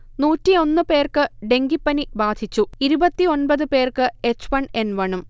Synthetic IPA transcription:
nuːtːio̞nːɨpe̞ːrkɨɖe̞ŋɡipːɐnibaːd̪ʱit͡ɕːuiɾubɐt̪ːio̞nbɐðɨpe̞ːrkɨe̞t͡ɕːʋɐɳe̞nʋɐɳum

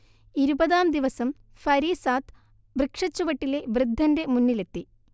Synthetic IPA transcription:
iɾubɐðaːmd̪iʋɐsɐm | fɐɾiːsaːt̪ | brɨkʂɐt͡ɕːuʋɐʈːileʋrɨd̪ʱːɐnde̞munːile̞t̪ːi

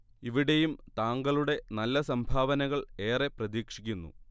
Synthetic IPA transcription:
iʋiɽe̞jumt̪aːŋɡɐɭuɽe̞nɐlːɐsɐmbʱaːʋɐnɐɣɐɭe̞ːre̞prɐðiːkʂikʲːunːṵ

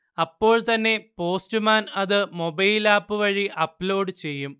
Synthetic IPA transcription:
ɐpːo̞ːɭt̪ɐnːe̞po̞ːstumaːnɐðɨmo̞bɐjlaːpːɨʋɐɻiʔɐpːloːɖɨt͡ɕe̞jːum

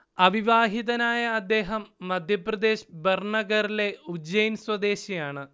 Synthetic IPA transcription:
ɐʋiʋaːɦiðɐnaːjɐːd̪ːe̞ːɦɐmːɐd̪ʱjɐprɐd̪e̞ːɕberɳɐɣɐɾile̞ud͡ʑɐjnswɐd̪e̞ːɕijaːɳɨ

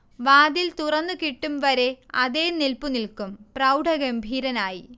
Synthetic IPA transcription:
ʋaːd̪ilt̪urɐnːɨkiʈːumʋɐɾe̞ɐðeːnilpunilkumprɐwɖʱɐɣɐmbʱiːɾɐnaːji

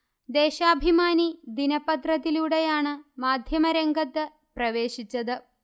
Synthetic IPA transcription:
d̪eːʃaːbʱimaːnid̪inɐpɐt̪ɾɐt̪iluːɽejaːɳɨmaːd̪ʱjɐmɐɾeŋɡɐt̪ːɨ | prɐʋe̞ːɕit͡ɕːɐðɨ

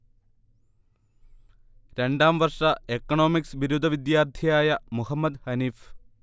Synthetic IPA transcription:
ɾe̞ɳɖaːmʋɐrʂɐekːɐɳo̞ːmiksʋiɾud̪ʱɐʋid̪jaːrt̪ʰijaːjɐmuhɐmːɐd̪hɐniːf

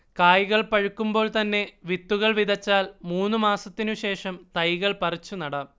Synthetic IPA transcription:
kaːjɣɐɭpɐɻukːumbo̞ːɭt̪ɐnːe̞ʋit̪ːuɣɐɭʋiðɐt͡ɕːaːlmuːnːumaːsɐt̪ːinuɕe̞ːʂɐmt̪ɐjɣɐɭpɐrit͡ɕːunɐɽɐ

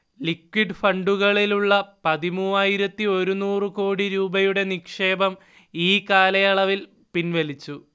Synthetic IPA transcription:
likwiɖɨfɐɳɖuɣɐɭiluɭːɐpɐðimuːaːjiɾɐt̪ːio̞ɾunuːrɨko̞ːɽiɾuːbɐjuɽe̞nikʂe̞ːbɐm | iːkaːlɐjɐɭɐʋil | pinʋɐlit͡ɕːu

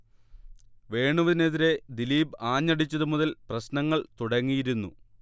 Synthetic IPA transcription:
ʋe̞ːɳuʋɐðineðiɾe̞d̪iliːbaːɲːɐɽit͡ɕːɐðumuðɐlprɐɕnɐŋːɐɭt̪uɽɐŋːijiɾunːṵ

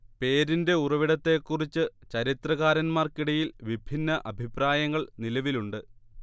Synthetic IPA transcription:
pe̞ːɾinde̞urɐʋiɽɐt̪ːe̞ːkːurit͡ɕːɨt͡ɕɐɾit̪rɐɣaːɾɐnmaːrkiɽɐjilʋibʱinːɐʔɐbʱipraːjɐŋːɐɭnilɐʋiluɳɖɨ

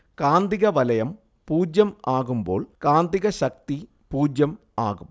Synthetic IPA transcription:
kaːnd̪iɣɐʋɐlɐjɐm | puːd͡ʑjɐmaːɣumbo̞̰ːɭkaːnd̪iɣɐɕɐk̚t̪i | puːd͡ʑjɐm | a̰ːɣum

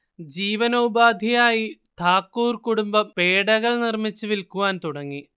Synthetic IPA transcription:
d͡ʑiːʋɐnɐubaːd̪ʱijaːjit̪ʰaːkːuːrkuɽumbɐpe̞ːɽɐɣɐɭnirmit͡ɕːuʋilkuʋaːnt̪uɽɐŋːi

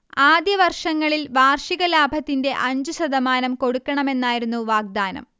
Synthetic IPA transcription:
aːd̪jɐʋɐrʂɐŋːɐɭilʋaːrʂiɣɐlaːbʱɐt̪ːinde̞ʔɐɲd͡ʑuɕɐd̪ɐmaːnɐmko̞ɽukːɐɳɐme̞nːaːjiɾunːuʋaːɡ̚d̪aːnɐ̰m

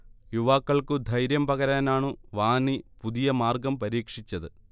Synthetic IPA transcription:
juʋaːkːɐɭkɨd̪ʱɐjɾjɐmpɐɣɐɾaːnaːɳɨʋaːnipuðijɐmaːrɡɐmpɐɾiːkʂit͡ɕːɐðɨ

